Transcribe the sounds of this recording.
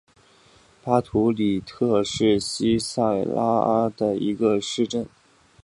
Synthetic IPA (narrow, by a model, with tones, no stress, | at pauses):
pa˥t̪ʰu˧˥li˨˩t̪ʰɤ˥˧ʂɻ̩˥˩ɕi˥sa˥˩ɪla˥a˥d̪ə˨i˧˥ɡə˧ʂɻ̩˥˧ʈ͡ʂə˥˩n